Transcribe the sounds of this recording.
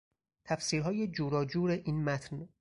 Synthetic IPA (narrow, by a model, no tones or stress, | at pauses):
t̪ʰæfsiːɾɦɒːje̞d͡ʒuːɾɒːd͡ʒuːɾeʔiːnmæt̪ʰn